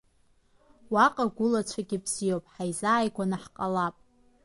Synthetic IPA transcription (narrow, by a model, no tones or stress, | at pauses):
waqʼaɡʷʊlat͡ʃʷʰaɡʲibz̥ijowpʼħajzaːjɡʷanaħqʼalapʼ